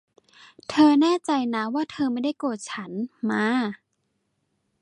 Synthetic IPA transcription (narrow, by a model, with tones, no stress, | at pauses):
t̪ʰɤː˧nɛː˥˩t͡ɕa˧jna˦˥waː˥˩t̪ʰɤː˧ma˥˩jda˥˩jkoː˨˩t̪̚t͡ɕʰa˦˥nmaː˧